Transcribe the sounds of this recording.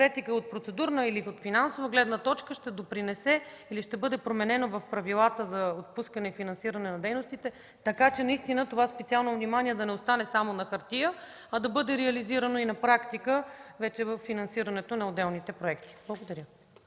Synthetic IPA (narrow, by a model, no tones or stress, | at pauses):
kɾɛt̪ikəot̪̚pɾot̪sɛd̪uɾnəiliot̪finansovəɡlɛd̪nət̪ɔt͡ʃkəʃt̪ɛd̪opɾinɛsɛ | iliʃt̪ɛbɤd̪ɛpɾomɛnɛnovɐfpɾɐvilˠat̪əzɐot̪̚puskənɛifinɐnsiɾɐnɛnɐd̪ɛjnost̪it̪ɛ | t̪ɐkat͡ʃɛnɐist̪inət̪ovaspɛt̪sialˠnovnimaniɛd̪ɐnɛost̪anɛsamonɐxɐɾt̪ijə | ɐd̪ɐbɤd̪ɛɾɛɐliziɾənoinɐpɾakt̪ikəvɛt͡ʃɛvəfːinɐnsiɾɐnɛt̪onɐod̪ɛlˠnit̪ɛpɾoɛkt̪i̥blˠəɡod̪ɐɾʲjə